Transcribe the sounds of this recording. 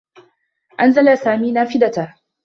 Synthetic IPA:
ʔanzalasaːmiːnaːfɪd̪at̪a

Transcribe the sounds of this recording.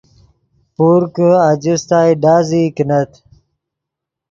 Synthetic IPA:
puɾkad͡ʑust̪aːjɖaːzikinɐt̪ʰ

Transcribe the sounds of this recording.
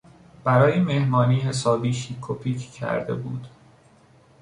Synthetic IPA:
b̥æɾɒːjeme̞hmɒːniːɦe̞sɒːbiːʃikʰopʰiːcʰcʰæ̰ɾd̪e̞̰bṵːd̪̥

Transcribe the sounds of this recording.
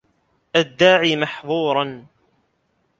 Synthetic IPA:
ʔad̪ːaːʕiːmaħðˤuːɾˤɑn

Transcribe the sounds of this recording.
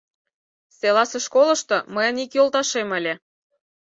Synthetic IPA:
selɑseʃkolɤ̆ʃt̪ɤ̆məjə̆nikjolˠt̪ɑʃemə̆lʲe

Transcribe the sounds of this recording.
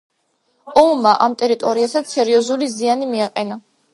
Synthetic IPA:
ɔmmaʔamt̪ʼɛɾit̪ʼɔɾiasat̪sɛɾiɔzulizianimiaqʼɛna

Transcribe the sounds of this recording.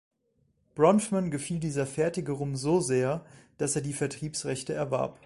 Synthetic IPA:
b̥ʁɔntmanɡəfiːldiːzɐfɛɐtɪɡəʁʊmzoːzeːɐd̥aseːɐdiːfɛɐtʁ̥iːpsʁɛçtəɛɐva̰ɐp

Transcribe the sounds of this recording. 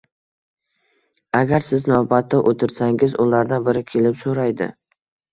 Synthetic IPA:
aɡʲaɾsɪznavbat̪ʰːɪʔot̪ʰɪɾsaŋʲɪzʊlaɾd̪anbɪɾɪkʲʰe̞lɪpsoɾajd̪ɪ̰

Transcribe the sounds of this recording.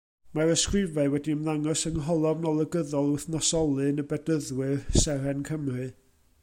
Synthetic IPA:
maɾəskrɨvaɨwɛdiəmðaŋɔsəŋɦɔlˠɔvnɔlˠəɡəðɔlˠʊθnɔsɔlˠɨnəbɛdəðwɨrsɛɾɛnkʰəmrɨ

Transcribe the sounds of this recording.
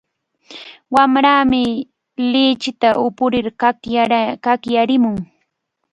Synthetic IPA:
wamɾaːmɪ | lɪt͡ʃɪt̪aʔʊpʊɾɪɾ | kakjaɾɪmʊŋ

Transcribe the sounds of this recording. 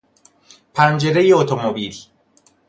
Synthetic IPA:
pʰænd͡ʒe̞ɾejeot̪ʰomobiːl

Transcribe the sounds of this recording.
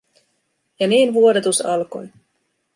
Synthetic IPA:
jɑniːnʋuodet̪usɑlko̞̰j

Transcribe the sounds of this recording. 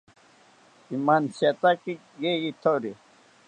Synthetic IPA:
imaːnset̪aki | ɡejit̪ʰoɾi

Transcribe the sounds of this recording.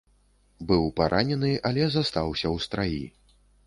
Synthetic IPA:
bɨwpaɾʔanʲɛnɨʔalʲɛzast̪awsʲɐwst̪ɾajḭ

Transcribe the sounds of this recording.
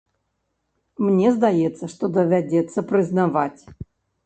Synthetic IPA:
mnʲezd̪ajet̪sːəʂt̪od̪əvʲadʲet̪sːəpɾʲɪznavatʲ

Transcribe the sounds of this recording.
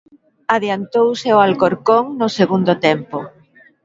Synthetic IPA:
aðjant̪owseoalkoɾkoŋnʊseɣund̪ʊt̪ɛmpo

